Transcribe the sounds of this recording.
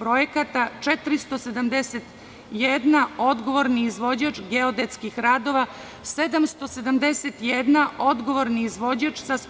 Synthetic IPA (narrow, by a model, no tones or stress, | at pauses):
pɾojekat̪at͡ʂet̪ɾist̪osed̪amd̪eset̪ | jed̪nao̞d̪ɡo̞ʋo̞ɾniizʋo̞d͡ʑat͡ʃɡeod̪et̪skixɾaːd̪o̞ʋa | sed̪amst̪o̞sed̪amd̪eset̪jed̪nao̞d̪ɡo̞ʋoɾniːzʋod͡ʑat͡ʃsas